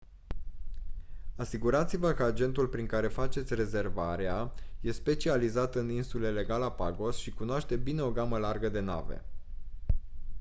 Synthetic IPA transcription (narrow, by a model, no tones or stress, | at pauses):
asiɡuɾat̪sivəkəad͡ʒe̞nt̪ulpɾiŋkaɾe̞fat͡ʃe̞t̪sʲre̞ze̞rvaɾeaje̞spe̞t͡ʃializat̪ɨninsule̞le̞ɡalapaɡo̞sʃikunoaʃt̪e̞bine̞o̞ɡaməlarɡəd̪e̞na̰ve̞̰